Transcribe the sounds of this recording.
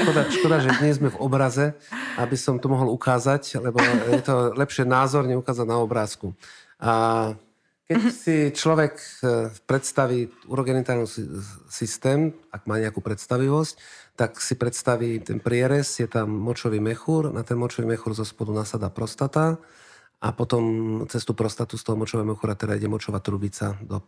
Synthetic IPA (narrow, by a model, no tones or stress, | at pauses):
ʃkɔd̪aʃkɔd̪aʒɛd̪ɲɛzzmɛvɔbɾazɛabisɔmt̪ɔmɔɦɔlukaːzaclɛbɔjɛt̪ɔlɛpʃɪɛnaːzɔɾɲɛukaːzaɟnaɔbɾaːsku | ʔa | kɛcsit͡ʃlɔʋɛkpɾɛt̪st̪aʋiːuɾɔɡɛnit̪aːɾnusist̪ɛːmaɡ̥maːɲɛakuːpɾɛt̪st̪aʋiʋɔsct̪aksipɾɛt̪st̪aʋit̪ɛ̰npɾɪɛɾɛsjɛt̪amːɔt͡ʃɔʋiːmɛxuɾnat̪ɛnmɔt͡ʃɔʋimɛxuɾzɔspɔd̪unaːsad̪apɾɔst̪at̪a | a̰pɔt̪ɔmt͡sɛst̪uːpɾɔst̪at̪ust̪ɔɦɔmɔt͡ʃɔʋɛmɛxuɾat̪ɛd̪aiɟɛmɔt͡ʃɔʋat̪ɾubit͡sad̪ɔ